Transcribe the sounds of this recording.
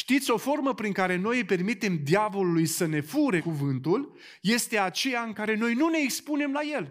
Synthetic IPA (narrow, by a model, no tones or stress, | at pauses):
ʃt̪it̪sʲo̞fo̞rməpɾiŋkaɾe̞no̞jpe̞rmit̪e̞md̪ijavo̞lulujsəne̞fuɾe̞kuvɨnt̪ul | je̞st̪e̞at͡ʃe̞jaɨŋkaɾe̞no̞jnune̞ːkspune̞mlaje̞l